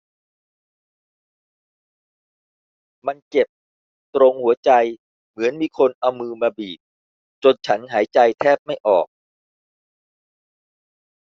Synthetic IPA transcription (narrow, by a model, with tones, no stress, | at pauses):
ma˧nke˨˩p̚ | t̪ɾo˧ŋhu˩˦ɐt͡ɕa˧j | mɯ˩˦ənmiː˧kʰo˧nʔa˧wmɯː˧maː˧biː˨˩t̪̚ | t͡ɕo˧nt͡ɕʰa˦˥nɦaː˩˦jt͡ɕa˧jt̪ʰɛː˥˩p̚ma˥˩jʔɔː˨˩k̚